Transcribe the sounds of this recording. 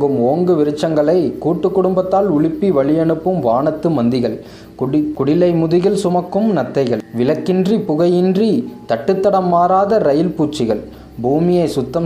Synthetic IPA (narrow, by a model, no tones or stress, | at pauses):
ɡɯmoːŋɡɯʋɪɾɯt͡ʃːɐŋɡɐɭɐɪkuːʈːɯkːʊɽʊmbɐt̪ːaːlʊɭɪpːiʋɐɭɪjɛɳɯpːɯmʋaːɳɐt̪ːɯmɐnd̪ɪɣɐɭ | kʊɽɪlɐɪmʊðɪɣɪlsʊmɐkːɯmnɐt̪ːɐɪɣɐɭʋɪlɐkːɪndripʊɣɐjɪndrit̪ɐʈːɯt̪ːɐɽɐmːaːɾaːðɐɾɐjɪlpuːt͡ʃːɪɣɐɭ | bʱuːmɪjɐɪsʊt̪ːɐm